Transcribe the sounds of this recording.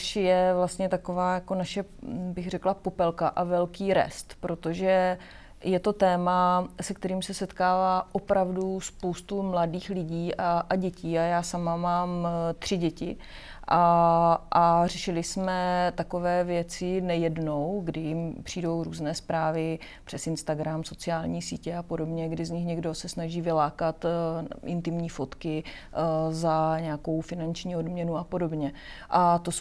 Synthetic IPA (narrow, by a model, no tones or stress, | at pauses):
uʃjɛvlast̪ɲɛt̪akovaːjako̞naʃɛbɪxrɛklapo̞pɛlkaʔavɛlkiːɾɛ̰st̪pɾo̞t̪o̞ʒɛ | jɛt̪o̞t̪ɛːmasɛkt̪ɛɾiːmsɛsɛt̪kaːvaːʔopɾavduspo̞wst̪umladiːxlɪɟiːʔaʔaɟɛciːajaːsamamaːmt̪r̥ɪɟɛcɪ | ʔaʔarɛʃɪlɪsmɛt̪akovɛːvjɛt͡sɪnɛjɛdno̞wɡdɪjɪmpr̝̥iːdo̞wɾuːznɛːspɾaːvɪ | pr̝̥ɛsɪnst̪aɡɾamso̞t͡sɪaːlɲiːsiːcɛapo̞do̞bɲɛɡdɪzɲɪxɲɛɡdo̞sɛsnaʒiːvɪlaːkat̪ʔɪ̰nt̪ɪmɲiːfo̞t̪kɪ | zaɲɛako̞wfɪnant͡ʃɲiːo̞dmɲɛnuapo̞do̞bɲɛʔat̪o